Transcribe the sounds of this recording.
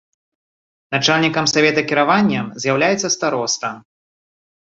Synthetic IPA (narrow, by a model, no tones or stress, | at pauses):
nat͡ʂalʲnʲikɐmsavʲɛt̪ɐkʲiɾavanʲːɐmzʲjawlʲajɛt̪sːɐst̪aɾɔst̪ɐ